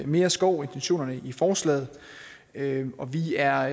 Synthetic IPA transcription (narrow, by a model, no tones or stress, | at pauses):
me̝ːɐsɡ̥ɒʊ̰e̝nt͡sʰenɕo̝̰ːnɐnəʔifɒːslɛ̰ːð̞̩ˠ | øɒ̽ʋiæɐ